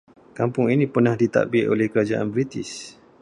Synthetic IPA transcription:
kampʊŋinĩpərnahdit̪a̰ʔbɪʔolɛhkəɾad͡ʒaʔa̰nbɾit̪ɪs

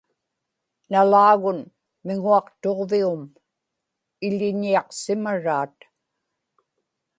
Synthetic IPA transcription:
nalaːɣʊn | mɪŋuɑqt̪o̞ʁviʊm | ɪʎɪɲiɑqsɪmaɻaːt̪

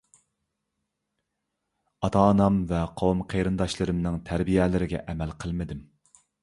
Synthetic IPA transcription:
ɑt̪ʰɑːnɑmvɛqʰowumqʰejɾɨnd̪ɑʃlˠɨɾɨmnɨŋt̪ʰæɾbijɛlɪɾɪɡʲɛ̰ʔɛmɛlqʰəlˠmɨd̪ɪm

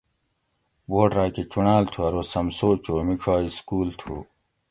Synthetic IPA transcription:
boːʈɾaːket͡ɕunaːlt̪ʰuɐɾoːsɐmsoːt͡ɕoːmiʈ͡ʂʰaːiskuːlt̪ʰuː

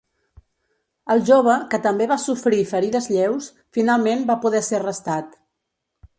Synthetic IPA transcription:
əlˠʒoβəkət̪əmbeβasufɾifəɾiðəzʎɛws | finalˠmembapuðɛsɛrəst̪at̪

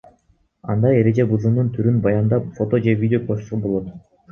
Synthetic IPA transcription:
ɑnd̪ɑe̞ɾe̞d͡ʒe̞buzɯmnunt̪ʰyɾynbɑjɑnd̪ɑpfo̞t̪o̞d͡ʒe̞vʲidʲɪo̞kʰoʃusubo̞lˠo̞t̪

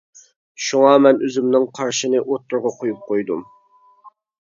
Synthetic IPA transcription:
ʃuŋɑmɛnøzymnɪŋqʰɑɾʃinɨʔot̪ʰːʊɾʁɑqʰojup̚qʰojd̪ṵm

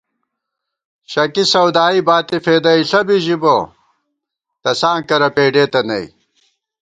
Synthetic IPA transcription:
ɕɐkisɐwd̪aːibaːt̪ifeːd̪ɐiɬɐbiʑibo | t̪ɐsãːŋkɐɾɐpeːɖeːt̪ɐnɐ̰ḭ

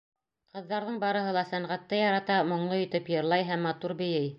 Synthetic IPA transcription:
qɤ̆ðːɑɾðɤɴbɑɾɤ̆ɦɤ̆lˠɑsæɴʁæt̪ːɤjɑɾɑt̪ɑmŏɴlˠɤjɵ̆t̪ɘpjɤ̆ɾlˠɑjɦæmːɑt̪uɾbɵ̆jɘj

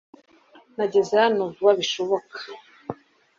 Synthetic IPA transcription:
naɟe̞zehanovuβaβiʃoβokḁ

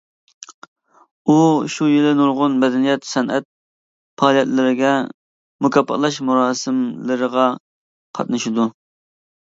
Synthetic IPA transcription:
uʃujilɪnuɾʁʊnmɛd̪ɛnijɛt̪sɛnʔɛt̪̚ | pʰɑːlˠijɛt̪lɪɾɪɡʲɛ | mukʲʰɑpʰːɑ̰t̪lˠɑʃmuɾɑːsɨmlɨɾəʁɑ | qʰɑ̰t̪̚nɨʃɪd̪u

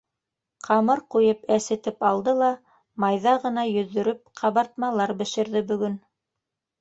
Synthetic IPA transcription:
qʰɑmɤɾqujɤpæsɘ̆t̪ɘpɑlˠd̪ɤlˠɑ | mɑjðɑʁɤ̆nɑjɵ̆ðːɵ̆ɾɘp̚qʰɑβɑɾt̪̚mɑlˠɑɾbɘ̆ʃɘ̆ɾðɘbɵ̆ɡɵn

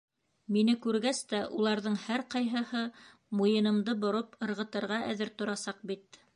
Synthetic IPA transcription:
minɘkʉɾɡæst̪æʔulˠɑɾðɤɴhæɾqɑjɦɤ̆hɤ | mujɤ̆nɤ̆md̪ɤbŏɾopɤ̆ɾʁɤ̆t̪ɤ̆ɾʁɑʔæ̰ðɘɾt̪ŏɾɑsɑq̚bit̪

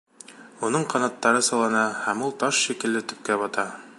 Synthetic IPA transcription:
unɤɴqɑnɑt̪ːɑɾɤsɤ̆lˠɑnɑhæmulˠt̪ɑʃʃikɘ̆lːɘt̪ɵ̆p̚kæβɒt̪ɑ

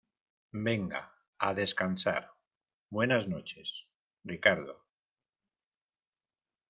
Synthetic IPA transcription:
be̞ŋɡa̰ | aðe̞skansa̰ɾ | bwe̞naznot͡ʃe̞s | rikaɾðo

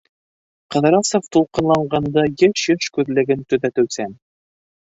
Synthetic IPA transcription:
qɑ̆ðɾɑsoft̪ulˠqɤ̆nlˠɑɴɢɑnd̪ɑjɤʃjɘʃkʉðlɘ̆ɡɘnt̪ɵ̆ðæt̪ɵ̆wsæn

